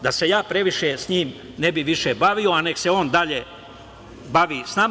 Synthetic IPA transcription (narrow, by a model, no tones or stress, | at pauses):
d̪ase̞jaːpɾe̞ʋiʃesɲiːm | ne̞biʋiʃebaʋio̞ane̞kse̞o̞ːnd̪aʎe | baʋiːsnam